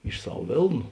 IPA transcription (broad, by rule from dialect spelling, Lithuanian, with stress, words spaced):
ɪʃ ˈsɐw ˈʋʲeːlˠnʊ